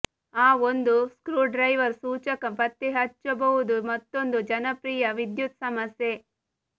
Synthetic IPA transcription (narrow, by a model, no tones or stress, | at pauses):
aːond̪uskɾuːɖɾɐjʋɐɾsuːt͡ʃɐkɐpɐt̪ːiɦɐt͡ʃːɐbɐɦud̪umɐt̪ːond̪ud͡ʒɐnɐpɾiːjɐʋid̪jut̪sɐmɐsje